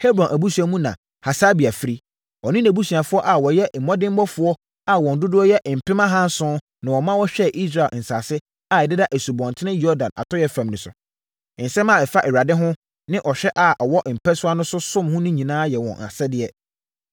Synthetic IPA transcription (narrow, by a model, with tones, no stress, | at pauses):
he˦bɾɔ̃˨nʔæ˨bu˦su˨a˦mũ˦nã̰˨ | ha˨sa˦bi˨a˨fi˦ɾi˦ | ɔ˨nɪ̃˦næ˨bu˦su˨a˨fʊ˦ɔ˦ʔa˨wɔ˨jɛ˦m̩˨mɔ̃˦dɪ̃˦m˦bɔ˦fʊ˨˦ɔ˦ | a˨wɔ̃˨n̩˨dʊ˦dʊ˦ɔ˦jɛ˦ʔm̩˨pʰɪ̃˦mã˦ɦã˦n˦sʊ̃˦ | nã˨wɔ˨mã˦wɔ˦ɕᶣɛ˦ʔi˦s̬ɾa˨ln̩˨sa̰ː˨sɪ˦ | a˨ɛ˨dɪ˦da˦ʔe˨su˨bɔ̃˨ntʰɪ˦nɪ̃˦jɔ˦dã˨na̰˨tʰɔ˦jɛ˦fã˨mnɪ̃˨sʊ̰˨ | n̩˨sɛ̃˦mã˨ɛ˨fa˦ʔɛ˨ɾa˨dɪ˦ɦʊ̃˦ | nɪ̃˦ʔɔ˨ɕᶣɛ˦ʔa˨ʔɔ˨wɔ˦ʔm̩˨pʰɛ˦sʊ˦a˦nʊ̃˦sʊ˦sʊ̃˦mhʊ̃˦nɪ̃˦ɲĩ˨nãː˦jɛ˨wɔ̰̃˨nʔa̰˨sɛ˦dɪ˦ɛ˦